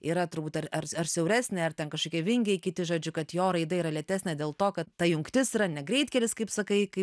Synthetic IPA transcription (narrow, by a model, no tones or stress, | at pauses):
iːɾɐt̪ʊɾbuːt̪ʲɐɾɐrɐɾsʲɛʊɾʲæːsʲnʲeːɐrt̪ʲɛnkɐʃkoːkʲiɛʋʲɪŋʲɡʲeɪkʲɪt̪ʲɪʒoːd͡ʒʲʊkɐt̪joːɾɐɪd̪ɐiːɾɐlʲɛt̪ʲæːsʲnʲɛd̪ʲeːlˠt̪oːkɐt̪ːɐjʊŋkt̪ʲɪsiːɾɐnʲɛɡɾʲɛɪt̪ʲkʲɛlʲɪskɐɪpsɐkɐɪkɐɪp